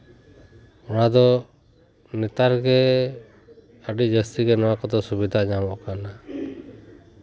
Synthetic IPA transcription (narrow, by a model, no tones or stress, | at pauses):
ɔɽ̃ad̪ɔ | nɛt̪aɾɡɛ | əɖid͡ʒəst̪iɡɛnɔwakɔd̪ɔsubid̪ʱad͡ʒamɔʔkana